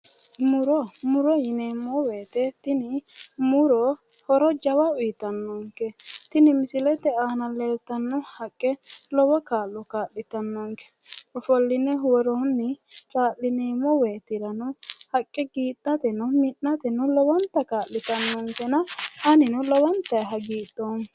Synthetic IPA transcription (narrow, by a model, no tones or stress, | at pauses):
mʊɾɔmʊɾɔjɪneːmːɔweːt̪ɛt̪ɪnɪmʊɾɔ | hɔɾɔd͡ʒɐwɐʊjɪt̪ɐnːɔŋkɛt̪ɪnɪmɪsɪlɛt̪ɛaːnɐlɛlt̪ɐnːɔhɐkʼːɛlɔwɔkaːlːɔkaːlːɪt̪ɐnːɔŋkɛ̥ | ɔfɔlːɪnɛɦwɔɾɔnːɪt͡ʃʼaːlːɪneːmɔweːt̪ɪɾɐnʊhɐkʼːɛɡiːt̪ʼːɐt̪ɛnʊmɪʔːɐt̪ɛnʊlɔwɐnt̪ːɐkaːlːɪt̪ɐnːɔŋkɛnɐhɐnɪnʊlɔwɐnt̪ːɐjɦɐɡiːt̪ːoːn